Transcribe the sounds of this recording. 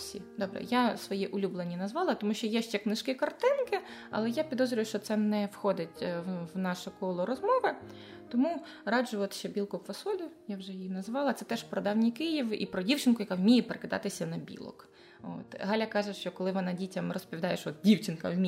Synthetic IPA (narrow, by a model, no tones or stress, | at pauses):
sʲḭd̪ɔbɾɛ̰jasʋɔjiʔʊlʲublˠenʲːinɐzʋɑlˠɐt̪ɔmuʃʲt͡ʃɔjɛʃt͡ʃɛknɪʃkɪkɐrt̪ɪnkɪ | ɐ̰lˠɛjapʲid̪ɔzɾʲʊʋjʊʃt͡ʃɔt̪sɛnɛwxɔd̪ɪtʲwnɑʃʊkɔlˠɔɾɔzmɔʋɪ | t̪ɔmu | ɾɑd͡ʒʊɔt̪ʃt͡ʃɛbʲilˠkʊfɐsɔlʲʊjawʒɛjijinɐzʋɑlˠɐt̪sɛt̪ɛʃpɾɔd̪ɑwnʲikɪjiʋḭpɾɔdʲiwt͡ʃɪnkʊjɐkawmʲijɛpeɾekɪd̪ɑ̰t̪ɪsʲɐnɐbʲḭlˠɔ̰k | o̰t̪ɦɑlʲɐkɑʒɛʃt͡ʃɔkɔlˠɪʋɔnɑdʲitʲɐmrɔspɔd̪ɑjeʃɔt̪̚dʲiwt͡ʃɪnkɐ̰wmʲi